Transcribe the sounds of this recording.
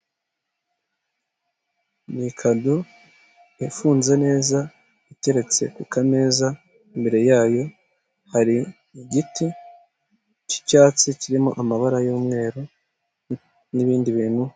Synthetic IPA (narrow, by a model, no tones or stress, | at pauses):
nikʰado | efuːnze̞ne̞ːza | ite̞ɾe̞t͡se̞̰kwikane̞ːza | imbe̞ɾe̞jaːjo̞ | haɾi | iɟiti | ci̥caːt͡siciɾimoʔamaβaɾajoːmŋe̞ːɾu | niβiːndiβiːnhu